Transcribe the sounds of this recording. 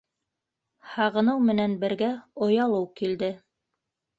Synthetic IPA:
hɑʁɤ̆nɤwmɘ̆nænbɘ̆ɾɡæŏjɑlˠɤwkild̪ɘ

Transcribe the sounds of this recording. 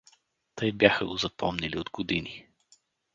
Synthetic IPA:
t̪ɤjbjaxə̰ɡozɐpɔmnɛliod̪ɡod̪ini

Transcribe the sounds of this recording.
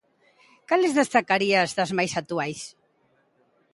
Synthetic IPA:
kalezðest̪akaɾiazðɐzmajsat̪uajs

